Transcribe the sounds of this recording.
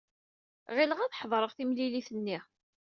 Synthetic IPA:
ʁiləʁæθħðˤɾˤəʁθimliliθənːi

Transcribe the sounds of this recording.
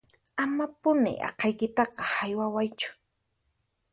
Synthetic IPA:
amapʊnɪ̰ʔɑ̰qɑjkɪt̪ɑqɑhajwawajt͡ʃʊ̥

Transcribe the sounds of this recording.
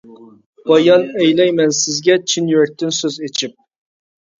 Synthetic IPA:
b̥ɑjɑnɛjlɛjmɛnsɪzɡʲɛt͡ʃʰinjyɾɛk̚ʲt̪ʰɪnsøzet͡ʃʰip̚

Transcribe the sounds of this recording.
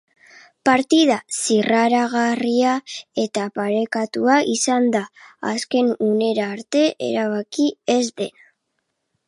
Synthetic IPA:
paɾt̪ið̞asiraɾaɣariae̞t̪apaɾe̞kat̪uaʔisand̪a̰ːske̞nune̞ɾaːɾt̪e̞ʔḛɾaβakie̞zd̪e̞na

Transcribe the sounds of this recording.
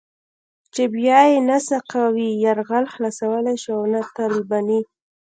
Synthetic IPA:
t͡ʃebjɑjenasaqawijaɾɣalxlasawəlajʃiawnat̪aɾubani

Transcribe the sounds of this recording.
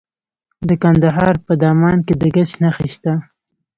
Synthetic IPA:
d̪əkand̪aɦɑɾpəd̪ɑmɑnked̪əɡat͡ʃnaxiʃt̪a

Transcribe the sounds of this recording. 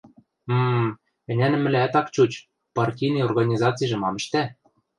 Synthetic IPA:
m̩ | ɘ̆nʲænɘ̆mɘ̆lʲææt̪ɑkt͡ɕut͡ɕ | pɑrtʲijnijorɣɑnʲizɑt͡sɨjʒɤ̆mɑmɘ̆ʃt̪æ

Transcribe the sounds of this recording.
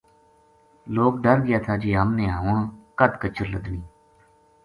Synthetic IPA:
loːkɖəɾɡɪjaːt̪ʰaːd͡ʒiːɦəmneːaːʊɳkəd̪kət͡ʃəɾləd̪niː

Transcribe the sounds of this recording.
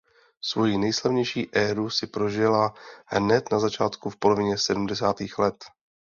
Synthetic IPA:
svo̞jinɛjslavɲɛjʃiːʔɛːɾusɪpɾo̞ʒɪlahnɛt̪nazat͡ʃaːt̪kufpo̞lo̞vɪɲɛsɛdumdɛsaːt̪iːxlɛt̪

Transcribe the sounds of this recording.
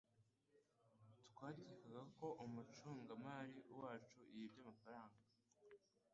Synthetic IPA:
twaːɟikaɡako̞ʔumut͡ʃuːŋɡamaːɾiwaːt͡ʃuʔijibjamafaɾaːŋɡa

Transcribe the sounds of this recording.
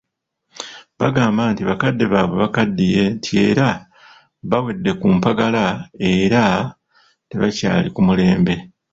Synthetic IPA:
βaɡaːmbaːntiβakadːe̞βaːβwe̞βakadːije̞ntʰie̞ːɾa | βawe̞dːe̞kumpaɡalae̞ɾa | te̞βaca̰ːlikumule̞ːmbe̞

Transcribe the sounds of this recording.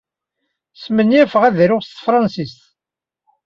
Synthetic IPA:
smənjæfəʁæðɾʊʁst̪fɾˤɑnsist̪

